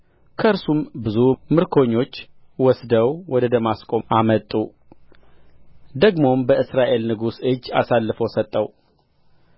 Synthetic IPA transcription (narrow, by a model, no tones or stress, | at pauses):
kʰəɨɾsumbɨzumɨɾkʰo̞ɲːo̞t͡ʃː | wɔsd̪əwwɔd̪əd̪əmaskʼo̞ʔamət̪ʼu | d̪əɡmo̞mbəʔɨsɾaʔe̞lnɨɡusɨd͡ʒːa̰salːɨfəwsət̪ʼːəw